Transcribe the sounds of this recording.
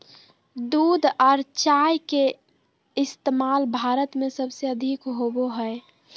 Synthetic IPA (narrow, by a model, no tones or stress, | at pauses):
d̪uːd̪ʱɔːɾt͡ʃajke | ɪst̪emaːlbʱaːɾət̪mẽsəbseəd̪ʱikɦoboɦɛe